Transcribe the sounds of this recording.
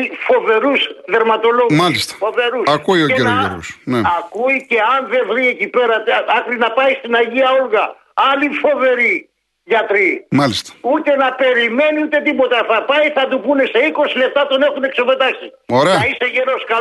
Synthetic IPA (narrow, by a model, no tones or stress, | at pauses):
fo̞ve̞ɾusðe̞ɾmɐt̪o̞lo̞ɣmɐlist̪ɐ̥fove̞ɾusɐkuioeeɾoʝḛɾusneɐkuice̞ɐnðe̞vɾie̞cipe̞ɾɐɐkɾinɐpɐist̪inɐʝiɐolɣɐ | ɐlifo̞ve̞ɾi | ʝɐt̪ɾimɐlist̪ɐ̥ut̪e̞nɐpe̞ɾime̞niut̪e̞t̪ipo̞t̪ɐθɐpɐiθɐt̪upune̞se̞iko̞sile̞p̚t̪ɐt̪o̞ne̞xune̞ksope̞t̪ɐksi | oɾeɐɐiseʝe̞no̞skɐ